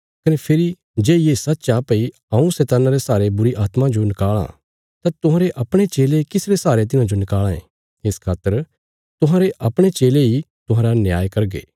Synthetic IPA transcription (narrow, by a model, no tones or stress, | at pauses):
kɐnepʰɪɾi | d͡ʒeːjesɐt̪ːt͡ʃaːpɐi | ɐ̃ũsɛːt̪aːnaɾesaːɾebʊɾiʔaːt̪mãd͡ʒonɪkaːɭã̰ | t̪at̪ʊɦãːɾeʔɐpɽ̃et͡ʃeːlekɪsɾesaːɾet̪̬ɪnãd͡ʒonɪkaːlãḛ̃ | ɪskʰaːt̪ːəɾ | t̪ʊɦãːɾeʔɐpɽ̃et͡ʃeːlei | t̪ʊɦãːɾanjaːjkɐɾɡḛː